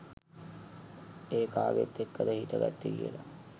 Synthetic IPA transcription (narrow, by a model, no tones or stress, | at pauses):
eːkaːɡḛt̪ːekːət̪əhiːʈ̪əɡa̰t̪ːiɡijə̰la